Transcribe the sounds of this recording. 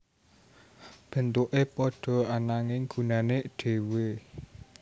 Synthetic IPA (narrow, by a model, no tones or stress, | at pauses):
b̥ə̤nt̪uʔepɔɖ̥ɔ̤anaŋɪŋɡ̥ṳnaneɖ̥e̤we